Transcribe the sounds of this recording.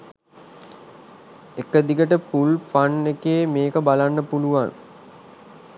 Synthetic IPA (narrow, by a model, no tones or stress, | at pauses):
ekəd̪iɡəʈəpulfanːekeːmeːkəbalanːəpuluʋan